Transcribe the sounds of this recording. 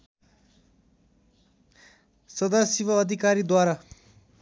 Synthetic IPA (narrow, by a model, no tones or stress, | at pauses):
sʌd̪asibʌːd̪ʱikaɾid̪waɾa